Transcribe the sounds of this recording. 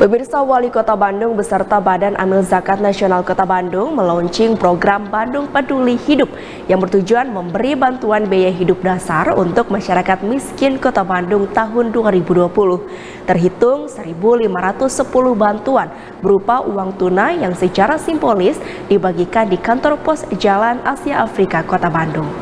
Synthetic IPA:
pəmirsawalikot̪abandʊŋbəsərt̪abadanʔa̰mɪlzakat̪̚nasionalkot̪abandʊŋməlɔɲt͡ʃɪŋpɾoɡɾambandʊŋpədulihidʊp̚ | jaŋbərt̪ud͡ʒuanməmbəɾibant̪uanbejaɦidʊp̚dasarṵnt̪ʊk̚maʃaɾakat̪̚miskɪnkot̪abandʊŋt̪aɦʊnduaɾibuduapulʊh | t̪ərɦit̪ʊŋsəɾibulimaɾat̪ʊsːəpulʊhbant̪uan | bəɾupaʔuwaŋt̪unajaŋsət͡ʃaɾasimbolɪs | dibaɡikandikant̪ɔrpɔsd͡ʒalanasiaʔafɾikakot̪abandʊŋ

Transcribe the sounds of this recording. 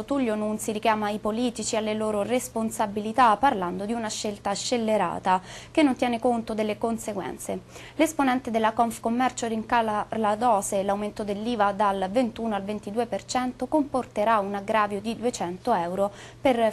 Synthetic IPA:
ot̪ulːonunsiɾikjaːmaipoliːt̪it͡ʃialːeloːɾoresponsabilit̪apːarland̪od̪iunaʃːelt̪aʃːelːeɾa̰ːt̪akenːont̪jɛːnekont̪od̪elːekonseɡwɛ̰nt̪sḛ | lesponɛnt̪ed̪elːakɔɱfkomːɛrt͡ʃoriŋkalalad̪ɔːzelawment̪od̪elːiːvad̪alvent̪uːnoalvent̪id̪uːepert͡ʃɛnt̪okomport̪eɾaunaɡɾaːvjod̪id̪uet͡ʃɛnt̪oɛwɾoper

